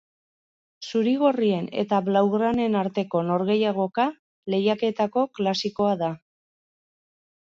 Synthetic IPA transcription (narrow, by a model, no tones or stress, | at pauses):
suɾiɣ̞o̞rie̞ne̞̰t̪aβlawɣɾane̞naɾt̪e̞ko̞no̞ɾɣe̞jaɣ̞o̞ka | le̞jake̞t̪ako̞klasiko̞aða